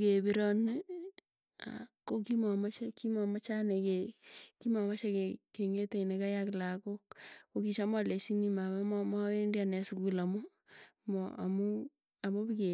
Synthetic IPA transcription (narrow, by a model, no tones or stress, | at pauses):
kebiɾɔnɪ | a̰kokimɔmat͡ʃakimɔmat͡ʃanekekimɔmat͡ʃakekeŋeteinekajaklakok̚okit͡ʃamɔlesinimamamɔmɔwendjanɛsukulamo | mɔ̰a̰mu | amobike